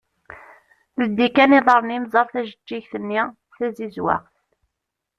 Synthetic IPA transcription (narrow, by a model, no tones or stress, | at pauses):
ðəd̪ːikæniðˤəɾˤənimzˤɑɾˤθæʒəd͡ʒːiçθənːi | θæzizwa̰qθ